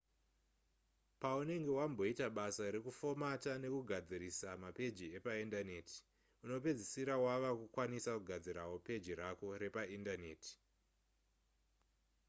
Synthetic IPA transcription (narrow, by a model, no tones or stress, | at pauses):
paune̞ŋɡe̞wambo̞itaɓasaɾe̞kufo̞matane̞kuɡʱad͡ziɾisamape̞d͡ʒie̞paindane̞ːtʰi̥ | uno̞pe̞d͡zisiɾawaʋakukwanisakuɡʱad͡ziɾawo̞pe̞d͡ʒiɾako̞ɾe̞paindane̞ːti̥